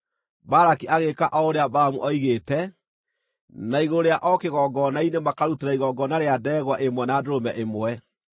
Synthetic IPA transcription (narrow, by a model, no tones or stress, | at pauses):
baɾakiʔaɣekaʔɔoɾeabaɾamṵʔɔiɣeːtɛ | naiɣoɾeaʔɔkeɣɔːɡɔnainemakaɾuteɾaiɣɔɡɔnaɾeadɛːɣwaʔemwɛnaːdoɾomɛʔemwɛ